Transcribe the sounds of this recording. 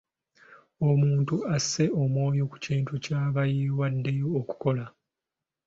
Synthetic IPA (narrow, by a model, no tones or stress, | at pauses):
o̞muːntuasːe̞ʔo̞mwo̞ːjo̞ku̥ciːntucaːβajiwadːe̞jo̞ːku̥ko̞la